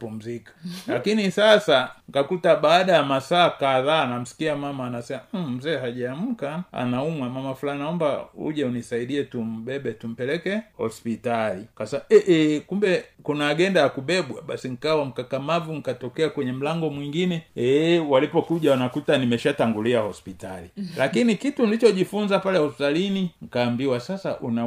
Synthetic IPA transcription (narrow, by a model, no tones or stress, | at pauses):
pum̩zikḁlakinisasaŋkakutaɓaːɗajamasaːkaðaːnam̩si̥kiamamaːnasɛmam̩zɛːɦaʄaːm̩kaa̰naumwamamafulainaɔmba̰ṵʄaunisaiɗiɛtum̩bɛɓɛtum̩pɛlɛkɛhɔ̰spitalikasaɛʔɛkumbɛkunaːɡɛndajakuɓɛɓwaɓasiŋ̩kawam̩kakamavuŋ̩katɔkɛakwɛɲɛm̩laŋɡɔmwiŋɡinɛɛwalipɔkuʄawanakutanimɛʃataŋɡuliahɔspitalilakinikitunilit͡ʃɔʄifunzapalɛhɔspitaliniŋ̩kaːmbiwasasa̰ʔuna